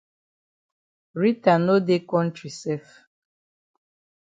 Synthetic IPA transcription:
ɾi˦ta˨no˦de˦kɔ̃˦ntɾi˨sɛ˦f

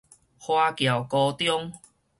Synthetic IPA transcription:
hwa˧kja˨˩wkɔ˧t̪jɔ˦ŋ

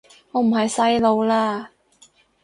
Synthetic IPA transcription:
ŋɔː˨˧m̩˨˩hɐ˨jsɐ˥jlo˨˧wlaː˥

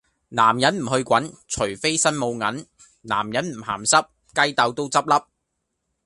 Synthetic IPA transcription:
naː˨˩mjɐ˨˥nm̩˨˩hɵ˧ɥkʷɐ˨˥nt͡ʃʰɵ˨˩ɥfe˥jsɐ˥nmo˨˧wŋɐ˨˥n | na̰ː˨˩mjɐ˨˥nm̩˨˩ha̰ː˨˩msɐ˥p̚ | kɐ˥jt̪ɐ˧wt̪o˥wt͡sɐ˥p̚lɐ˥p̚

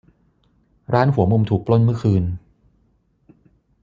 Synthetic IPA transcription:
ɾaː˦˥nɦu˩˦ɐmu˧mt̪ʰuː˨˩k̚plo˥˩nmɯ˥˩ɐkʰɯː˧n

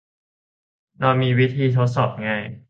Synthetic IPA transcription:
nɔː˧miː˧wi˦˥t̪ʰiː˧t̪ʰo˦˥t̪̚sɔː˨˩p̚ŋa˧j

